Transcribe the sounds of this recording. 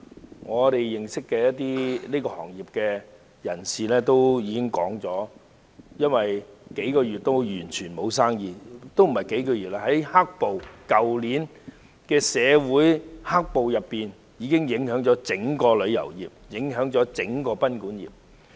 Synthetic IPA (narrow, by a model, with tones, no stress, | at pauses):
ŋɔː˨˧t̪e˨jjɪ˨ŋsɪ˥kːɛː˧jɐ˥t̚t̪iː˥liː˥kɔː˧hɔ̰ː˨˩ŋjiː˨˩p̚kɛː˧ | jɐ˨˩nsiː˨lɛː˥t̪o˥wjiː˨˧kɪ˥ŋkɔ̰ː˨˥ŋt͡sɔː˨˥ | jɐ˥nwɐ˨jke˨˥jkɔː˧jyː˨t̚t̪ːo˥wjyː˨˩nt͡ʃʰyː˨˩nmo˨˧ws̬aː˥ŋjiː˨t̪o˥wm̩˨˩hɐ˨jke˨˥jkɔː˧jy˨t̚laː˧hɐ˨˥jha˥k̚po˨wkɐ˨wliː˨˥n | kɛː˧sɛː˨˧wuː˨˥jha˥k̚po˨wjɐ˨pːiː˨n | jiː˨˧kɪ˥ŋjɪ˨˥ŋhœː˨˥ŋt͡ʃɔː˨˥t͡sɪ˨˥ŋkɔː˧lɵ˨˧ɥjɐ̰˨˩wjḭː˨˩p̚jɪ˨˥ŋɦœː˨˥ŋt͡ʃɔː˨˥t͡sɪ˨˧˥ŋkɔː˧pɐ˥nkuː˨˥njḭː˨p̚